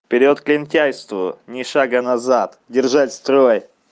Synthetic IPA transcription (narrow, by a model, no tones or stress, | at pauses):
pʲɪɾʲɪot̪klʲɪnʲtʲæjst̪vʊnʲɪʂaɡənɐzat̪dʲɪrʐatʲst̪ɾoj